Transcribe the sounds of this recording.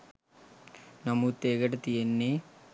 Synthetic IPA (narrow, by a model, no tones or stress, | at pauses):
nɐmut̪eːɡɐʈɐt̪ijenːe